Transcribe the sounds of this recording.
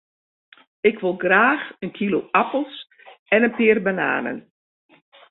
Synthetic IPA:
ɪkʋɪlˠɡraːxənkʰiloʔapəl̩ˠs | ɛnənpɪːərbəna̰ːnə̰n

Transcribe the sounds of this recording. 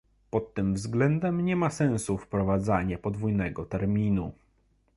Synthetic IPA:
pɔt̪ːɘmvzɡlɛnd̪ɛmɲɛmasɛ̃w̃sufpɾɔvad̪zaɲɛpɔd̪vujnɛɡɔt̪ɛɾmʲinu

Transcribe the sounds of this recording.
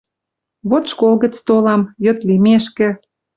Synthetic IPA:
βot̪ʃkolɣə̆t͡st̪olɑmjø̆t̪limeʃkĕ

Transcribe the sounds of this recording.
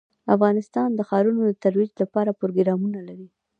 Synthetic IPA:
afɣɑnɪst̪ɑnd̪əxɑɾunod̪ət̪aɾwid͡ʒlapɑɾapɾoɡɾɑmunalaɾi

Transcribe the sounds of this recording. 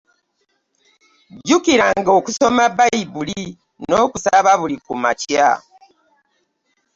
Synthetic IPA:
ɟukiɾaŋɡo̞ːkuso̞mabaiβuli | noːkusaβaβulikuma̰cja̰

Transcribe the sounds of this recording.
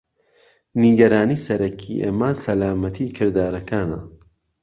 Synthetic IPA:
niɡɐɾaːniːsɐɾɐkʰiʔḛːmaːsɐlaːmɐt̪ʰikʰɨɾd̪aːɾɐkʰaːnɐ̰

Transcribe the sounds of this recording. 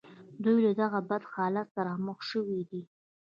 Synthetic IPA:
d̪ujlad̪aɣabad̪xɑlat̪̚ːaɾɑməxʃəwid̪i

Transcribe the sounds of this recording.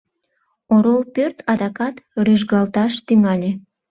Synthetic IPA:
oɾolpørt̪ʰɑd̪ɑkɑt̪ryʒɡɑlt̪ɑʃt̪yŋɑlʲe

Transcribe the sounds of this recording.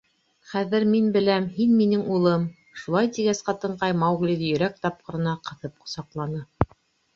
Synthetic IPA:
χæðɘɾminbɘ̆læmhinminɘŋulˠɤm | ʃulˠɑjt̪iɡæsqɑt̪ɤ̆ɴqɑjmɑwɣlʲiðɘjɵ̆ɾæk̚t̪ɑp̚qɤ̆ɾɤ̆nɑqɤ̆θɤp̚qŏ̥sɑqlˠɑnɤ

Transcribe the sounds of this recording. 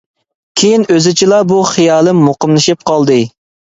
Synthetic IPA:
kʲʰejinøzɪt͡ʃʰilˠɑbuχɨjɑːlˠɨmoqəmlˠɨʃip̚qʰɑlˠd̪ɨ

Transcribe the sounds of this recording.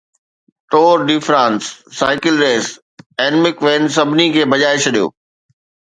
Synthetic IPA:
ʈoːɾɖɪfɾãːnsːaːɪkɪlɾeːs | ɛːnmɪkʋeːns̬ɐbʱɪnikʰeːbɐʄaːɪʃɗijo̰ː

